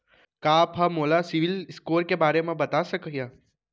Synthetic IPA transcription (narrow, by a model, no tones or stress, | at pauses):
kaːpɦamoːlasɪʋɪlskoːɾkebaːɾemãbɐt̪asəkəɦja